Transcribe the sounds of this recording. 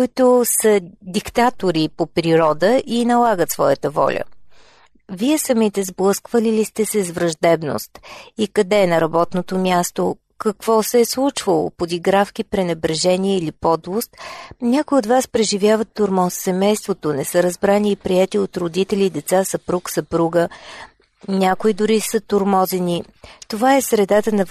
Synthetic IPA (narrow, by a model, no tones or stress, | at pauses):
kʊit̪ʊsəd̪ikt̪at̪oɾipopɾiɾɔd̪əʔinɐlˠaɡət̪svɔjət̪əvɔ̰lʲə̰ | viɛsɐmit̪ɛzblˠɤskvəlilist̪ɛsɛzvɾɐʒd̪ɛbno̰st̪ikɐd̪ɛːnɐɾɐbɔt̪not̪omʲjast̪o | kɐkv̥ɔsɛːslˠut͡ʃvəlˠo̰pod̪iɡɾafkipɾɛnɛbɾɛʒɛniɛilipɔd̪vost̪nʲakoiot̪vaspɾɛʒivʲjavət̪ːoɾmɔssɛmɛjst̪vot̪onɛsɤɾɐzbɾaniːpɾiɛt̪iot̪ɾod̪it̪ɛlʲiːd̪ɛt̪sasɐpɾuksɐpɾuɡə | nʲakoid̪ʊɾisət̪oɾmɔzɛnʲi | t̪ovaɛsɾɛd̪at̪ənɐ